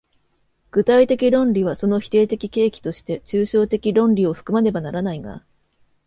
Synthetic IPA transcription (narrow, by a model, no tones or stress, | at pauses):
ɡ̥ɯ̟t̪ait̪e̞kʲiɾõ̞nɾʲiβ̞aso̞no̞çi̥t̪e̞ːt̪e̞kʲike̞ːkʲi̥t̪o̞ɕi̥t̪e̞t͡ɕɨːɕo̞ːt̪e̞kʲiɾõ̞nɾʲio̞ɸɯ̟̥kɯ̟maɾe̞banaɾanaiɡa̰